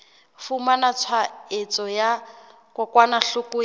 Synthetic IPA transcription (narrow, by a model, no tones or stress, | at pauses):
fumanat͡sʰwaet͡sʼɔja | kɔkwanaɬʊkʊ